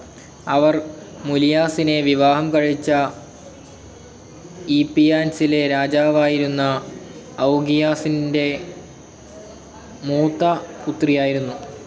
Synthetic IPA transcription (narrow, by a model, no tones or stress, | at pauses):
ɐʋɐr | mulijaːsine̞ʋiʋaːɦɐmkɐɻit͡ɕːɐ | ipːijaːnsileɾaːd͡ʑaːʋaːjiɾunːɐː | wɡijaːsinde̞ | muːt̪ːɐkut̪ːrijaːjiɾunːu